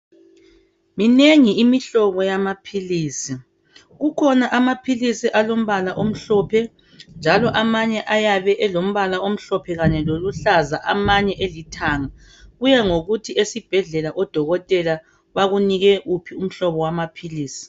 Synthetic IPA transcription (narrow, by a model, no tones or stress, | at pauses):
mineŋiimiɬɔβɔjamapʰiliːsi | ɣukʰɔnaʔamapʰilisiʔalom̩βalaʔom̩ɬɔpʰɛ | nd͡ʒʱalɔʔamaɲɛʔajaβɛʔɛlom̩βalaʔom̩ɬɔpʰɛɣaɲɛloluɬazaʔamaɲɛʔelitʰaːŋa | ɣujɛŋoɣutʰiʔesib̥ʱɛɮɛlaʔɔd̥ʱɔɣɔtʼɛla | βaɣuniɣɛʔupʰium̩ɬɔβɔwamapʰiliːsi̥